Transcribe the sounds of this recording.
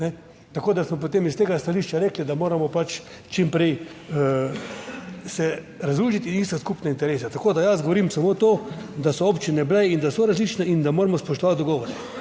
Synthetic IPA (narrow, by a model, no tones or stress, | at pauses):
nɛ | t̪akoːd̪asmɔp̬ot̪emist̪eːɡast̪aliːʃt͡ʃaɾeːklid̪amoːɾamɔpat͡ʃ | t͡ʃimpɾej | sɛ | ɾazɾuːʒit̪iist̪askuːpnɛint̪ɛɾeːsat̪akoːd̪ajazɡoʋoɾimsamot̪oːd̪asɔoːpt͡ʃinɛblɛind̪asɔɾazliːt͡ʃnɛind̪amoːɾamɔspɔʃt̪ɔʋat̪̚d̪ɔɡɔːʋɔɾɛ